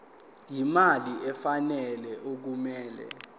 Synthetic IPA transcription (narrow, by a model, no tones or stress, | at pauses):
jimaliɛfanɛlɛʔok̬umɛːlɛ̰